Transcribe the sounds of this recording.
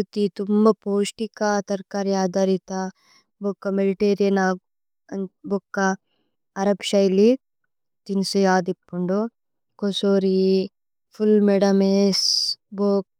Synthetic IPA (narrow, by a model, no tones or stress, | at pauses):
ut̪it̪umbɐpoːʂʈikɐt̪ɐɾkaːɾiaːd̪aɾit̪ɐ | bokːɐmeliʈeːɾijɐnaːɡ | bokːɐː | ɾɐpʃɐjli | t̪insiaːd̪ipːuɳɖu | kosoːɾi | pʰulmeɽɐmeːsboːk̚